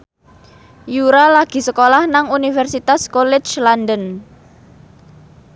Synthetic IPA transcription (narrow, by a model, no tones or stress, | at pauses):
juɾalaɡ̥i̤səkolahnaŋunifɛrsit̪askolɪt͡ʃlandən